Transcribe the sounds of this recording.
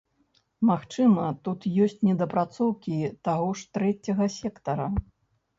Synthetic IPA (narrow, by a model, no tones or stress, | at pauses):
maxt͡ʂɨmɐt̪ut̪jɔsʲt͡sʲnʲɛd̪ɐpɾat̪sɔwkʲit̪aɣɔʂt̪ɾɛt͡sʲɐɣɐsʲɛkt̪ɐɾɐ